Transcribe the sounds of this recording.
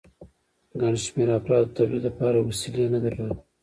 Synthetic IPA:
ɡɑniʃmeɾafɾɑt̪ːət̪abid̪lapɑɾawasilijanad̪akəwəl

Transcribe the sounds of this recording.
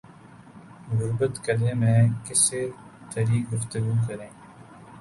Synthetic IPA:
ɣʊɾbət̪kɐlẽːmẽːkɪset̪ɐɾiːɡʊft̪əɡuːk̬ɐɾẽː

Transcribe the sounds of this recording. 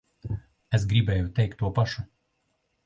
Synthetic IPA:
ɛsɡɾʲiːbʲeːjɛʊt̪ʲɛɪkt̪ːuɔpɐʃʊ

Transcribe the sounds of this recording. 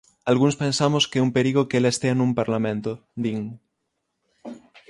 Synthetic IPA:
alɣunspensamoskeumpeɾiɣokelaest̪eanũmpaɾlamẽnt̪od̪iŋ

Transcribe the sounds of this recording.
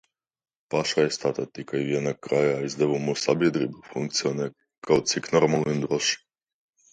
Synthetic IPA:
paʃajest̪at̪at̪ikaivjenak̚kɾajaːizd̪ɛβumusabed̪ɾibufuŋkt̪sionɛ | kaot̪siknoɾmalind̪ɾoʃi̥

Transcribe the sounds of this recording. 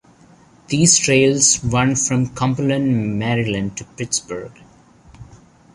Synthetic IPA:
d̪̥iːz̥ʈʰɾeɪlzʋʌ̃nfɾʌ̃mkʰʌ̃mpələ̃nmɛɾɪlə̃nɖ̚ʈupɪʈsbəɾɡ̥

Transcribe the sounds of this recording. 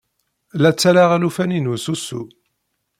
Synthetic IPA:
læt͡sːælaʁælufæninususṵ

